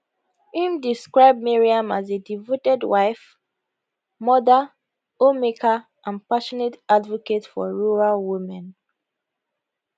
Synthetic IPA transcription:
ĩmdiskɹaɪb̚miɹiãmazedivotɛdwaɪf | mɔða | omekʰa | ʔãnpaʃɔnetadvɔketfɔ̰ɹuɹalwimɛ̃n

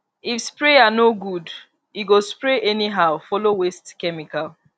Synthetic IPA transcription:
ifspɾeanoɡud | iɡospɹeʔɛniɦaʊfɔlowestkɛmikal

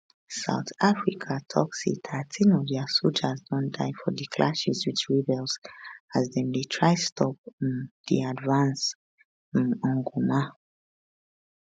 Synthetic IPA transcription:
sa̰ʊθafɹikʰatʰɔ̰ksḛtʰatʰĩnɔvðɛasolˠd͡ʒazdɔ̃ndaɪfɔdikʰlʔaʃizwit͡ʃɹibɛlsazðɛ̃ndetʰɹaɪstʰɔp̚ndḭadvãns | ĩnɔ̃ŋɡuma

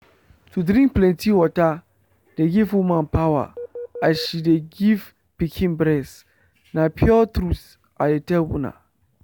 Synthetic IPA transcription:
tʰudɾĩŋk̚plɛ̃ntʰiwɔta | deɡivwumãnpʰawa̰aʃideɡiv | pikʰĩnbɾɛs | nãpʰjɔtʰɾuts | a̰detʰɛlwũnã̰

